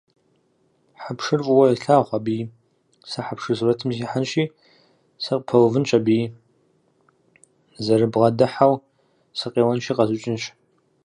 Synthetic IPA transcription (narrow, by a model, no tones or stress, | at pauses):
ħapʰʂɨrfʼwɐiɬaːχʷabiː | sɐħapʰʂɨzrɐtʰɨmziħanʃiː | sɨqʼpʰɐwvɨnt͡ʃʼɐbiː | zɐrɨbʁɐdɨħaw | sɨqʼeːwɐnʃiːqʼɐzɨt͡ʃʼɪnʃ